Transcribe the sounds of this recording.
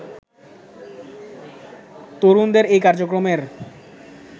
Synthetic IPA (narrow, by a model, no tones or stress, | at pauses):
t̪oɾund̪eɾejkaɾd͡ʑokɾomeɾ